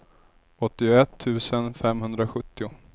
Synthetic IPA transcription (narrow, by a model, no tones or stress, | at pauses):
ɔt̪ːɪʊɛt̪ʰːʉ̟ːsənfɛmɦɵnd̪ɾaɧɵt̪ːɪʊ